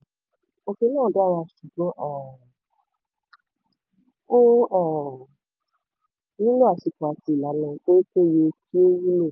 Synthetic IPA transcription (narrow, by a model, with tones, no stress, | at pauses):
o˧ki˧nãː˦˨da˦˨wa˧ʃu˨bɔ̃˨˦ʔɔ˦˨ | o˦ɔ˨ | nĩ˦lo˦a˨ʃi˧˨kɔ˨a˨˦ti˧i˨la˨˦nã˧o˦i˦ke˦˨je˧kʰi˦o˦ji˦le˦˨